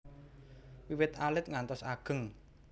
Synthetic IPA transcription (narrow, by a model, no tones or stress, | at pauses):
wiwɪt̪alɪt̪̚ŋant̪ɔsaɡ̥ə̤ŋ